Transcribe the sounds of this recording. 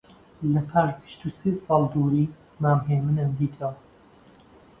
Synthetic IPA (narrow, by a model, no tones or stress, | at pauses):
lɐpʰaːʒbɨ̥ʃt̪uːseːsɑːlˠd̪uːɾiː | maːmɦeːmɨnənd̪iːt̪ʰa